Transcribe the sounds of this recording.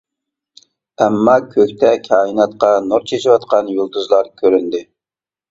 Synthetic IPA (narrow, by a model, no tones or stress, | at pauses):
ɛmːɑkʲʰøkʲt̪ʰɛkʲʰɑːinɑt̪qɑnoɾt͡ʃʰeʃiwɑt̪qʰɑnjolˠd̪uzlˠɑɾkʲʰøɾynd̪ɪ